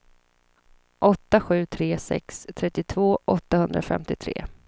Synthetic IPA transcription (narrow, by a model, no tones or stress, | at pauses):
ʔɔt̪ːaɧʉ̟ːt̪ʰɾeːsɛ̰kst̪ʰɾɛt̪ːɪt̪ʰvoːʔɔt̪ːahɵnd̪ɾafɛ̰mt̪ɪt̪ʰɾḛː